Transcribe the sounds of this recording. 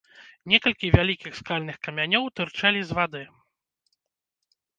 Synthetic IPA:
nʲɛkɐlʲkʲivʲalʲikʲixskalʲnɨxkɐmʲanʲɔwt̪ɨrt͡ʂalʲizvad̪ɨ

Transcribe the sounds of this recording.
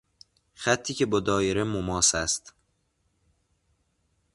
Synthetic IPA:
xæt̪ʰːiːcʰebɒːd̪ɒːjeɾemomɒːsæst̪

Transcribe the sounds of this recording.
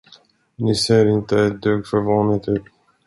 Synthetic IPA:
nɪseːɾɪnt̪əɛt̪̚d̪øːɡfœɾvɑːnɪt̪ʉ̟ːt̪

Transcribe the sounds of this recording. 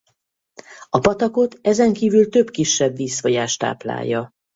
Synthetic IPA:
ɒpɒt̪ɒko̞t̪ɛzɛŋkiːvylt̪ø̞bkiʃːɛbːiːsfɒɟaːʃt̪a̰ːpla̰ːjːɒ

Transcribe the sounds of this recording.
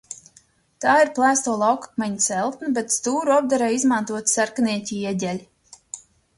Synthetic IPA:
t̪aːiɾplˠæːst̪uɔlˠɑwkḁk̚mɛɲt̪sɛlˠt̪nabet̪st̪uːɾuɔb̚d̪aɾaːizmant̪uɔt̪sæɾkaniɛcʲiiɛɟʲɛlʲ

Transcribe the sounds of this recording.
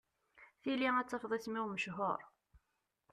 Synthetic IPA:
θiliæt͡sːəfðˤiθmiwməʃɦoɾˤ

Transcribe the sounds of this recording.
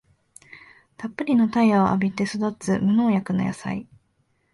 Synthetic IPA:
t̪apːɯ̟ɾʲino̞t̪aiaʔa̰bʲit̪e̞sod̪ot͡sɨmɯ̟no̞ːjakɯ̟noja̰sa̰i

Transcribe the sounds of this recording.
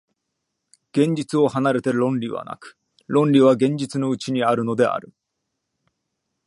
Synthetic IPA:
ɡ̥ẽ̞ɲ̟d͡ʑit͡sɨo̞hanaɾe̞t̪e̞ɾõ̞nɾʲiβa̰na̰kɯ̥ | ɾõ̞nɾʲiβaɡẽ̞ɲ̟d͡ʑit͡sɨno̞ɯ̟t͡ɕiɲ̟iaɾɯ̟no̞d̪e̞a̰ɾɯ̟

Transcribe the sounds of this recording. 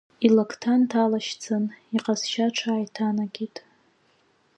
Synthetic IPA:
ilakʰtʰantʰalaʃt͡sʰaniqʼazʃaʈ͡ʂʰaːjtʰanaɡʲitʼ

